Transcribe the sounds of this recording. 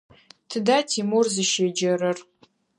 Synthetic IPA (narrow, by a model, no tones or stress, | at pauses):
tʰɨdaːtʰimurzɨʃed͡ʒɐɾɨr